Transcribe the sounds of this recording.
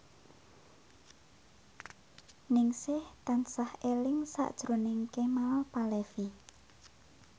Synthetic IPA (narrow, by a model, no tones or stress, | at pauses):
nɪŋsɪht̪ansahelɪŋsa̰ʔd̥ʒ̥ɾo̤nɪŋkemalpalefi